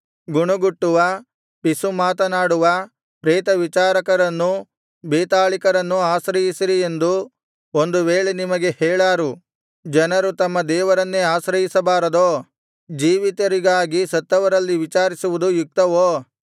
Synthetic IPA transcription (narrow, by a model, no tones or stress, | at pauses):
ɡuɳuɡuʈːuʋɐ | pisumaːt̪ɐnaːɽuʋɐ | pɾeːt̪ɐʋit͡ʃaːɾɐkɐɾɐnːu | beːt̪aːɭikɐɾɐnːuaːsɾɐjisiɾie̞nd̪u | ond̪uʋeːɭenimɐɡe̞hɛːɭaːɾu | d͡ʒɐnɐɾut̪ɐmːɐd̪ɛːʋɐɾɐnːeaːsɾɐjisɐbaːɾɐd̪oː | d͡ʒiːʋit̪ɐɾiɡaːɡisɐt̪ːɐʋɐɾɐlːiʋit͡ʃaːɾisuʋud̪ujuk̚t̪ɐʋoː